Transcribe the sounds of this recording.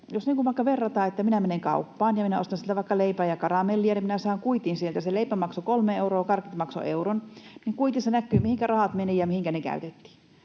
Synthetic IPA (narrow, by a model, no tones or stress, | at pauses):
josniːŋkuʋɑˑkːɑʋerːɑt̪ɑːet̪ːæminæmeneŋkɑ̰upːɑːnjɑminæost̪ɑnsilt̪æʋɑˑikːɑleipæːjɑkɑrɑmelːiɑneminæsɑˑːŋkuit̪insielt̪æseleipæmɑksokolmeeuroːkɑrkit̪mɑkso̰ʔeuronniŋkuit̪isenækːˑyːmihiŋkærɑhɑt̪menijɑmihiŋkænekæ̰yt̪et̪ːi̥ː